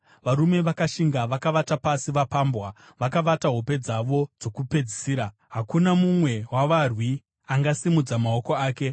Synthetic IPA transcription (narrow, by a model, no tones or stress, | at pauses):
ʋaɾume̞ʋakaʃiŋɡaʋakaʋatapasiʋapaːmbwa | ʋakaʋataɦo̞pe̞d͡zaʋo̞d͡zo̞kupe̞d͡zisiːɾa | ɦakunamumwe̞ɦwaʋarwi | aŋɡasimud͡zamaoko̞aːke̞